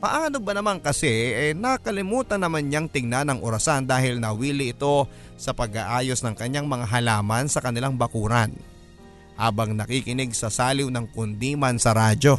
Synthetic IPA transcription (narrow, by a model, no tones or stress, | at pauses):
pɐʔaːno̞bɐnɐmaŋkɐsɛɛnɐkɐlɪmuːt̪ɐnːɐmanɲaŋt̪ɪŋnanɐŋʔoɾɐsand̪aːhɪlnɐwiːlɪɪt̪o̞ | sɐpɐɡaʔaːjo̞snɐŋkɐɲaŋmɐŋaɦɐlaːmɐnsɐkɐnɪlaŋbɐkuːɾɐn | haːbɐŋnɐkikɪnɪɡ̚sɐsaːlɪwnɐŋkʊnd̪iːmɐnsɐɾaːd͡ʒo̞